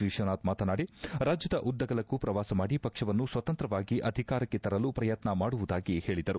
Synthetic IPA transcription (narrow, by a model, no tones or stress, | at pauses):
iʂɐnaːt̪maːt̪ɐnaːɽiɾaːd͡ʒjɐd̪ɐʔud̪ːɐɡɐlɐkːupɾɐʋaːsɐmaːɽipɐkʂɐʋɐnːusʋɐt̪ɐnt̪ɾɐʋaːɡiʔɐd̪ʱikaːɾɐkːet̪ɐɾɐlupɾɐjɐt̪nɐmaːɽuʋud̪aːɡihe̞ːɭid̪ɐɾu